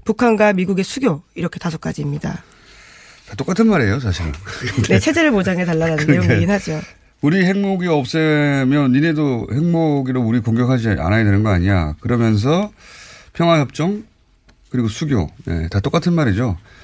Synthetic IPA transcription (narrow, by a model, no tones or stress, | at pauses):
pukʰanɡwamiɡuɡe̞sʰuɡjoiɾʌkʰe̞tas̬ʰo̥k͈ad͡ʑiːmɲida̰ | tat͈ok͈atʰɯnmaɾe̞josaɕʰiɾɯ̰nnet͡ɕʰe̞d͡ʑeɾɯɭmod͡ʑaŋe̞taɭːananɯndejoɡinɦad͡ʑo | uɾihe̞ŋmoɡiʌp̚s͈ʌmjʌnine̞dohe̞ŋmoɡiɾouɾikoŋɡjʌkʰad͡ʑia̰najedenɯnɡʌaɲiɲa̰kɯɾʌmjʌns̬ʰʌ | pʰjʌŋɦwaçjʌp̚t͡ɕ͈ʌŋ | kɯɾiɡosʰuɡjo̰je̞̰tat͈ok͈atʰɯnmaɾed͡ʑo